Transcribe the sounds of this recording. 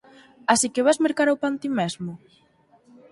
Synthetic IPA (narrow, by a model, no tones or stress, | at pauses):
asikeβazmeɾkaɾawpant̪imɛzmʊ